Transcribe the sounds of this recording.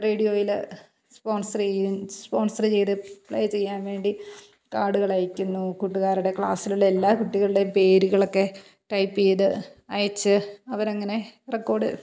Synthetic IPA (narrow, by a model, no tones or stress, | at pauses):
reːɽijo̞ːjil | spo̞ːnsɐrt͡ɕejumspo̞ːnsɐrɨt͡ɕe̞jðɨpɭɐ̰jt͡ɕe̞jːaːnʋe̞ːɳɖi | kaːɽuɣɐɭɐjikʲːunːukuʈːuɣaːɾuɽe̞kɭa̰ːsiluɭelːaːkuʈːiɣɐɭiɽepe̞ːɾuɣɐɭo̞kːe̞ | ʈɐjpːejðɨɐjɐt͡ɕːɨɐʋɐɾɐŋːɐne̞rekːo̞ːɽɨ̰